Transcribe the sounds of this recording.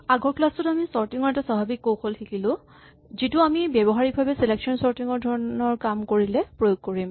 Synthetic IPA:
aɡɔɹkulastʊtamisɔɹtiŋɔɹɛtasabʱabikːowxʰoltʰikilʊ̃ | zitʊamibɛbɔɦaɹik̚bʱabɛseleksɔnsɔɹtiŋɔɹdʱɔɹɔnɔɹkamkoɹilɛpɹojoɡ̚koɹim

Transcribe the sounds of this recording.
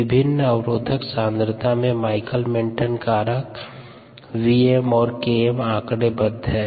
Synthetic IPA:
ɪbʱɪnːəwɾoːd̪ʱəksãːnd̪ɾt̪ʰamẽmaːɪkəlmɪ̃ɳʈənkaːɾək | wiemɔːɾkeemãːkɽebəd̪ʱɦɛː

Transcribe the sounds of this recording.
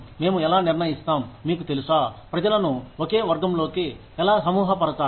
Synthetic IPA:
meːmuɛlaːnɪɾnɐjist̪aːmːiːkut̪elisaːpɾɐd͡ʒɐlɐnuokeːʋɐɾɡɐmloːki | ɛlaːsɐmuːɦɐpɐɾɐt͡ʃaː

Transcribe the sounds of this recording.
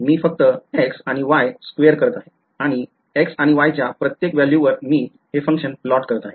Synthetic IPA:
miːfək̚t̪əeksaɽ̃iʋajskʋeəɾkəɾt̪aɦe | aɽ̃i | eksaɽ̃iʋajt͡ɕjapɾət̪jekʋɛljuʋəɾmiː | ɦefə̃ŋkʂənplɔʈkəɾt̪aɦe

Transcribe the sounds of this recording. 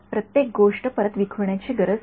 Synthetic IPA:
pɾət̪jek̚ɡoʂʈəpəɾət̪ʋikʰuɳjat͡ɕiɡəɾəd͡z

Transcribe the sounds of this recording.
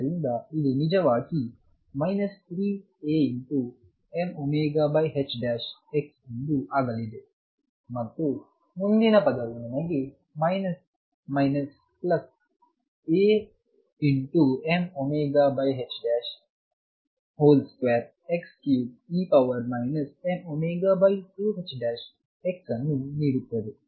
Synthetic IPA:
ɐɾind̪aid̪inid͡ʒɐʋaːki | mɐjnɐst̪ʰɾiː | eːiɳʈu | emomeːɡaːbɐjɦet͡ʃɖæːʃeksinɖ̪uʔaːɡɐlid̪e | mɐt̪ːu | mund̪inɐpɐd̪ɐʋunɐnɐɡi | mɐjnɐs | mɐjnɐs | pləs | e | iɳʈuemomeɡabajɦet͡ɕɖæɕ | holskʋɛɾ̚ | ekskjuːipaʋəɾmajnəsemomeɡabajtuɦet͡ɕɖæɕ | eksanːuniɽut̪ːəd̪e

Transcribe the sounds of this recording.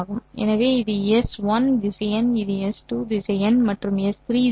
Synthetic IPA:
ɣɯmɛ̰nɐʋeːɪðɯjɛsʋɐndɪsɐjɐnɪðɯjɛsʈuːdɪsɐjɐnmɐʈrɯmɛst̪ʰɾiː

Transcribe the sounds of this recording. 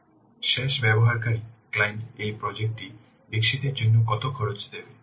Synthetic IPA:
ʃeʃbɛboɦaɾkaɾiklajnʈejpɾɔd͡ʑek̚ʈi | bikʃit̪eɾd͡ʑonːokɔt̪okʰɔɾot͡ɕd̪ebe

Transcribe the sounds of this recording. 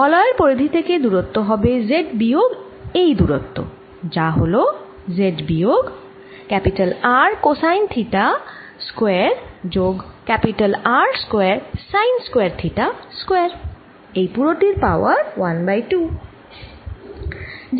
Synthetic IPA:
ɔlɔeɾpoɾid̪ʱit̪ʰeked̪uɾot̪ːoɦɔbezeɖbijoɡ | ejd̪uɾo̰t̪ːo̰ | d͡ʑaɦolo | zeɖbioɡ | kɛpiʈalaɾkosajnt̪ʰiʈa | skoeeaɾd͡ʑoɡkɛpiʈalaɾskoeaɾsajnskoeaɾt̪ʰiʈaskoeaɾ | ejpuɾoʈiɾpaoaɾwanbajʈu

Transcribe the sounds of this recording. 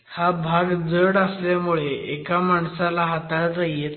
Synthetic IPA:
habʱaɡd͡zəɽəsljamuɭeʔekamaɳsalaɦat̪aɾəjet̪

